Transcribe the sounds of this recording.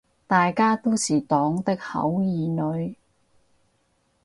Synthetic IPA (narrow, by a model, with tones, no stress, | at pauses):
t̪aː˨jkaː˥t̪o˥wsiː˨t̪ɔː˨˥ŋt̪ɪ˥k̚hɐ̰˨˥wjiː˨nɵ˨˧ɥ